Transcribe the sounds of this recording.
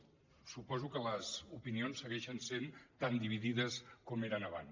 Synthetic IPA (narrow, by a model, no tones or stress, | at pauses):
supɔzukələzupinionsːəɣɛʃənsent̪and̪iβiðiðəskomeɾənəβa̰n